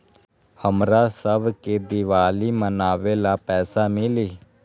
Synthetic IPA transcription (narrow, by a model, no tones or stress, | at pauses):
həmɾaːsəbkeːd̪ɪʋaːliːmənaːʋeːlaːpɛːsaːmɪliː